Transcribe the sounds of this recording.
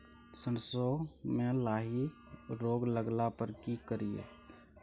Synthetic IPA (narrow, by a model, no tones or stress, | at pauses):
sənsomẽlaːɦi | ɾoːɡləɡlapəɾkikəɾijḛː